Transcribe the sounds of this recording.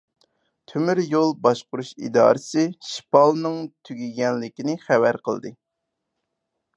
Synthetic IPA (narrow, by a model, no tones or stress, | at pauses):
t̪ʰymyɾjolˠbɑʃqʊɾuʃḭd̪ɑ̰ːɾɨsɨʃi̥pɑlˠnɨŋt̪ʰyɡʲiɡʲɛnlɪkʲinɪχævæɾqʰə̰lˠd̪ɨ